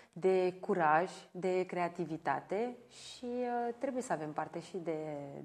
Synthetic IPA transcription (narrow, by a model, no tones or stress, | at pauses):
d̪e̞kuɾaʒʲd̪e̞kɾe̞at̪ivit̪a̰t̪e̞ | ʃiət̪ɾe̞buje̞səave̞mpart̪e̞ʃid̪e̞